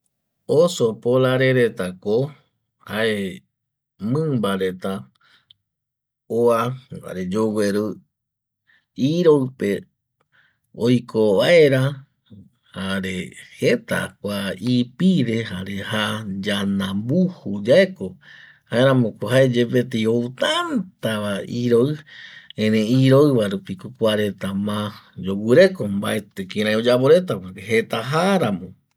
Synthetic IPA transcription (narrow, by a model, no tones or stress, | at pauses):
osopolaɾeɾet̪ako | haʔe | mɨ̃mbaɾe̞t̪a | oaa̰ɾed͡ʒoweɾɨ | iɾowpe | ojkʰoβae̞ɾa | haɾehet̪a̰kʷaipiɾeɦaɾe̞had͡ʒanãmbuhud͡ʒaeko | haeɾãmõkoɦaed͡ʒepet̪ejowt̪ant̪aβaiɾoɨẽɾẽiɾoɨβaɾupikokʷaɾet̪amãd͡ʒowɨɾe̞komba̰e̞t̪ekĩɾ̃ãj̃od͡ʒaβoɾet̪̬akakeɦe̞t̪aɦaɾamõ